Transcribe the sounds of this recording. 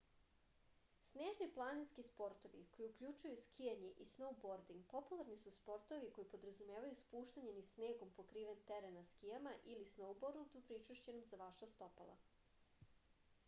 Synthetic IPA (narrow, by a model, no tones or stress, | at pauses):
sneːʒniplˠaninskispo̞ɾt̪o̞ʋḭko̞jiukʎut͡ʃujuskʰijaɲeʔisno̞wboɾd̪iŋɡ̚po̞pulˠaɾnisuspo̞ɾt̪o̞ʋiko̞jipo̞d̪ɾazumeːʋajuspuːʃt̪aɲe̞nisne̞ːɡo̞mpokɾiːʋent̪eɾenaskijamaʔilisno̞wboɾd̪ud̪upɾit͡ʃuʃt͡ɕenomzaʋaʃast̪o̞palˠa̰